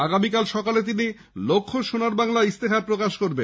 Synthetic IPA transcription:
aɡamikalʃɔkalet̪̬ini | lokʰːoʃonaɾbaŋlaist̪ekʰaɾpɾokaʃkoɾbe

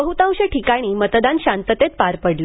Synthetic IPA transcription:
əɦut̪ãwɕeʈʰikaɽ̃iːmət̪d̪ãnɕant̪ət̪et̪̚paɾpəɽlo

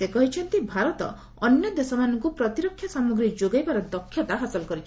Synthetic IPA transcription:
sekɔɦit͡ʃʰɔnt̪ibʱaɾɔt̪ɔ̰ | ɔnjɔd̪esɔmanɔŋkupɾɔt̪iɾɔkʰːjɔsamɔɡɾid͡ʒoɡajbaɾɔd̪ɔkʰːjɔt̪aɦasɔlɔkɔɾit͡ʃʰ

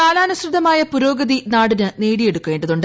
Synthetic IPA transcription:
aːlaːnɐsrɨd̪ʱːɐmaːjɐpuɾo̞ːɡɐðinaːɽinɨneːɽije̞ɽukːuʋeːɳɖɐðuɳɖ

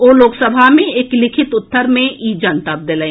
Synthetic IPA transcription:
oːloːksəbʱamẽeːklɪkʰɪt̪ʊt̪ːəɾmẽʔiːd͡ʒənt̪ap̚d̪elẽ

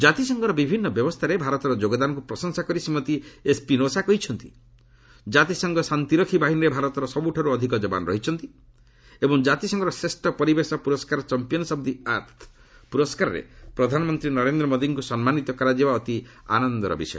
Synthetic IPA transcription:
d͡ʒat̪isɔŋɡɔɾɔbibʱinːɔbjɔbɔst̪ʰaɾebʱaɾɔt̪ɔɾɔd͡ʒoɡɔd̪anɔkupɾɔsɔŋsakɔɾisimːɔt̪iespinosakɔɦit͡ʃʰɔnt̪ḭ | d͡ʒat̪isɔŋɡɔsant̪iɾɔkʰibaɦinɔɾebʱaɾɔt̪ɔɾɔsɔbuʈʰaɾuɔd̪ʱikɔd͡ʒɔba̰nɔɾɔ̰ɦit͡ʃʰɔnt̪i | ebɔŋd͡ʒat̪isɔŋɡɔɾɔsɾesʈɔpɔɾibesɔpuɾɔskaɾɔt͡ʃɔmpijɔnɔsɔb̚d̪iaɾt̪ʰ | puɾɔskaɾɔɾḛpɾɔd̪ʱanɔmɔnt̪ɾinɔɾend̪ɾɔmod̪iŋkusɔnmanit̪ɔkɔɾad͡ʒibaɔt̪ia̰nɔnd̪ɔɾɔ̰bḭsɔ̰j

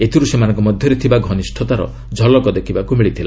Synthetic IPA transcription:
et̪ʰiɾusemanɔŋkɔmɔd̪ʱjɔɾet̪ʰibaɡʱɔnisʈʰɔt̪aɾɔ̰ | d͡ʒʱɔlɔkɔd̪ekʰibakumiɭit̪ʰila

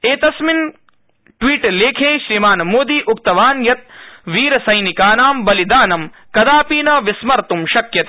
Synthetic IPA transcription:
eːt̪ɐsmin | ʈʋiːʈleːkʰẽːʃɾimaːnɐmoːd̪iːʔukt̪ɐʋaːnjɐt̪̚ʋiːɾɐsɐjnikaːnaːmbɐlid̪aːnɐmkɐd̪aːpiːnɐʋismɐɾt̪umʃɐkjɐt̪e

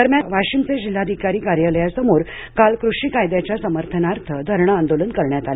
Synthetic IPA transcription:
əɾmjaʋaɕimt͡sed͡ʑil̤ːad̪ʱikaɾiːkaɾjələjasəmoɾ | kalkɾuʂiːkajd̪jat͡ɕjasəməɾt̪ʰənaɾt̪ʰəd̪ʱəɾɳ̃əand̪olənkəɾɳjat̪ale

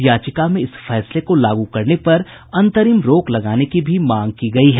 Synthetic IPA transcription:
jaːt͡ʃɪkamẽɪsfɛːslekolaːɡukɐɾnepɐɾ | ɐ̃nt̪əɾiːmɾoːklɐɡaːnekibʱimãːŋɡ̚kiɡɐiɦɛ

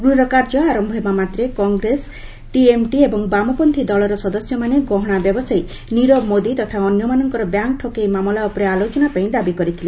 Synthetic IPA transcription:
ɡɾuɾɔkaɾd͡ʒɔaɾɔmbʱemamat̪ɾekɔŋɡɾes | ʈiemʈiebɔŋbamɔpɔnt̪ʰid̪ɔlɔɾɔsɔd̪ɔsjɔmaneɡɔɦɔɽ̃abjɔbɔsaj | niɾɔmod̪it̪ɔt̪ʰaɔnjɔmanɔŋkɔɾɔbjaŋk̚ʈʰokejmamɔlaɔpɔɾealot͡ʃɔnapaĩd̪abikɔɾit̪ʰile

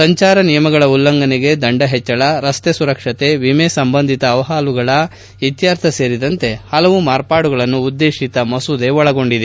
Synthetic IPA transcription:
sɐɲt͡ʃaːɾɐnijɐmɐɡɐɭɐulːɐŋɡɐniɡe̞d̪ɐɳɖɐɦɛt͡ʃːɐɭɐɾɐst̪esuɾɐkʂɐt̪e̞ʋimesɐmbɐnd̪ʱit̪ɐːʋɐɦaːluɡɐɭɐ | it̪jaːɾt̪ʰɐse̞ːɾid̪ɐnt̪e̞hɐlɐʋumaːɾpaːɽuɡɐɭɐnːuːd̪ːeːʃit̪ɐmɐsud̪e̞ɔɭɐɡo̞ɳɖid̪e

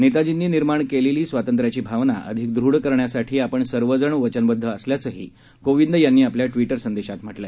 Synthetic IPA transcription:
nit̪ad͡ʑinːiːniɾmaɳkeleliːsʋat̪ənt̪ɾjat͡ɕiːbʱaʋnaʔə̰d̪ʱik̚d̪ʱɾuɽkəɾɳjasaʈʰiːapəɳsəɾʋəd͡zəɳʋət͡ɕənbəd̪ʱːəəsljat͡səːɦḭː | koʋind̪janːiːapljaʈʋiʈəɾsənd̪eɕat̪m̤əʈlə

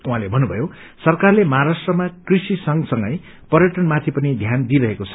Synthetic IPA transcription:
uɦãlebʱʌnːubʱʌjo | sʌrkarlemʌɦaɾasʈrʌmakrisisʌŋsʌŋɡʌj | pʌɾjʌʈʌnmat̪ʰipʌnid̪ʱjand̪iɾʌɦekot͡sʰʌ̥

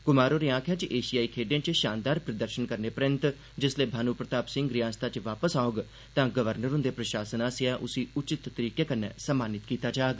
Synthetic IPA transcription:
kʊmaːɾoːɾiãːkʰjãːt͡ʃʔeːʃijaːiːkʰeːɖẽːt͡ʃʃaːnd̪aːɾpɾəd̪əɾʃənkəɾneːpɾɪ̃nt̪ | d͡ʒɪsleːbʱaːnuːpɾət̪aːpsɪ̃ŋɡɾɪjãːst̪aːt͡ʃʋaːpəsaːʊɡ | t̪ãːɡəʋəɾnəɾʊ̃nd̪eːpɾəʃaːsənaːsɪaːʔʊsiːʊt͡ʃɪt̪ːəɾiːkeːkənḛ̃ːsəmːaːnɪt̪kiːt̪aːd͡ʒaːɡ

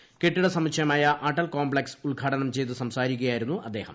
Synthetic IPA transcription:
keʈːiɽɐsɐmikɕʰɐjɐmaːjɐʔaːʈːɐlkoːmbɭeksuɭɡʱaːʈɐnɐmt͡ɕe̞jt̪ɨsɐmsaːɾik̬ʲːɐjaːjiɾunːuʔɐd̪ːe̞ːhɐ̰m

